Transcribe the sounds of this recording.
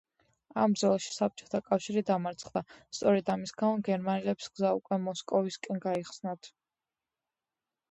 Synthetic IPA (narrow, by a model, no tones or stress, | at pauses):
amb̪zɔlˠaʃi̥sap̚t͡ʃʼɔ̥t̪ʰakʼafʃiɾid̪amaɾt̪sʰχd̪ast̪sʼɔɾɛd̪amisɡamɔɡɛɾmanilɛpisɡzaṵkʼwɛmɔskʼɔviskʼɛnɡaiχsnat̪ʰ